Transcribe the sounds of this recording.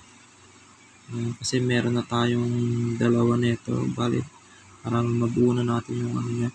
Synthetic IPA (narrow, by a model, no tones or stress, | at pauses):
ʔkɐsɛmɛːɾonːɐt̪aːjoŋd̪ɐlawanɛt̪o̰baːlɪ̰t̪̚ | paɾammɐbuːnɐnaːt̪ɪnjʊŋʔa̰nɲa